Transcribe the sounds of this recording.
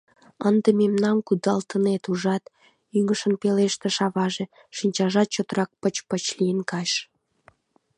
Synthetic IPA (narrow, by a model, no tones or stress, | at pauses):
ənd̪ememnɑmkud̪ɑlt̪ənet̪uʒɑt̪ | yŋəʃənpeleʃt̪eʃɑβɑʒe | ʃinʲt͡ɕɑʒɑt̪̚t͡ɕot̪ərɑk̚pət͡ɕpət͡ɕlijənkɑʃ